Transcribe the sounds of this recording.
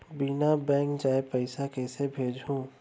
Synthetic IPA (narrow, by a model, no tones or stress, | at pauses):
binabɛ̃ːŋkd͡ʒaːepəɪsakɛːsebʱeːd͡ʒɦũː